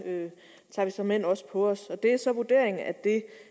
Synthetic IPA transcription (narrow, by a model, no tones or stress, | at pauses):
ø | t͡sʰɑ̰̈ːʋisɒ̽mːen̰ɒ̽sə̥pʰɒ̽ɒsɒ̽d̥e̝æsɒ̽ʋuɐd̥e̝ɐ̰e̝ŋ̩æd̥e̝